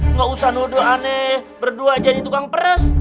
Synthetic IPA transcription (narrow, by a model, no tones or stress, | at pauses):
ŋɡausanudoanɛbərduad͡ʒadit̪ukaŋpəɾəs